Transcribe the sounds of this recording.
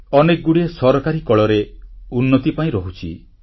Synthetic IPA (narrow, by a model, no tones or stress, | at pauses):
ɔnek̚ɡuɽiesɔɾɔkaɾikɔɭɔɾeunːɔt̪ipaĩɾɔɦut͡ʃʰi